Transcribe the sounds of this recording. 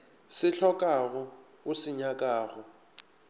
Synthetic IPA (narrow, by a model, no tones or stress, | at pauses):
sɪɬʰɔkʼaɣʊʊsɪɲakʼaːɣʊ